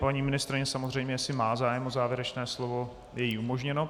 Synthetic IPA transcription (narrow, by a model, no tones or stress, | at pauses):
paɲiːmɪnɪst̪ɾɪɲɛsamozr̝ɛjmɲɛjasɪmaːzaːjɛmʔozaːvjɛɾɛt͡ʃnɛːslo̞vo̞ | jɛjiːumo̞ʒɲɛno̞